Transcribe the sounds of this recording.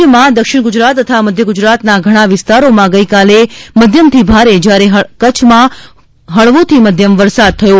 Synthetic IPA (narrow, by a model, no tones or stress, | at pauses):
əmãd̪əkʃɪɳ̃ɡʊd͡ʒɾat̪ːət̪ʰaməd̪ʱjəɡʊd͡ʒɾat̪naɡʱəɽ̃ãʋɪst̪aɾomãɡəikaleməd̪ʱjəmt̪ʰibʱaɾed͡ʒjaɾeɦkət͡ʃʰmã | ɦəɭʋot̪ʰiməd̪ʱjəmʋəɾsad̪̚t̪ʰəjo